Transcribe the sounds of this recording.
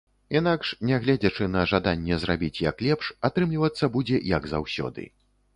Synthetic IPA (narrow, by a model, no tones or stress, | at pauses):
inakʂnʲɛɣlʲɛd͡zʲɐt͡ʂɨnɐʐad̪anʲːɛzrabʲit͡sʲjɐklʲɛpʂat̪ɾɨmlʲivɐt̪sːɐbud͡zʲɛjɐɡza̰wsʲɔ̰d̪ɨ̰